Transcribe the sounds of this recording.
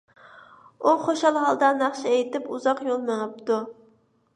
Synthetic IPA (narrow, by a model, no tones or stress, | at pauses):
uχoʃɑlˠɦɑlˠd̪ɑnæχʃiejt̪ɪpuzɑqjolˠmeŋɨp̚t̪u